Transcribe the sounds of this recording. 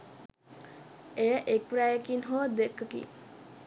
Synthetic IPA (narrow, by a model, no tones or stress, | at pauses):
ejəʔek̚pɾajəkinɦod̪ekːəkḭ